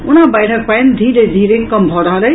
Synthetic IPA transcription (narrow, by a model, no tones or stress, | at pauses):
unabajʈʰʌk̚pajnd̪ʱiɾed̪ʱiɾeŋkʌmbʱɔɾʌɦləj